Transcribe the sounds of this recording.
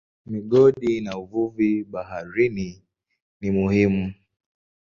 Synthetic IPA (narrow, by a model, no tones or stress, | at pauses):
miɠɔɗinauvuviɓaɦaɾini | nimuhimu